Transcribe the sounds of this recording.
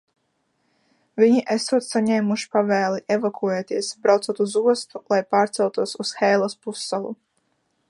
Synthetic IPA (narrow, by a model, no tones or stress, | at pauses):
vʲiɲiʔesuɔt̪saɲɛːmuʃi̥pavɛːlˠiʔevakʰuɔjɛt̪iɛsbɾawt̪suɔt̪uzuɔst̪ulˠajpaːɾt̪sɛlˠt̪uɔsusxɛjlˠaspusːalˠu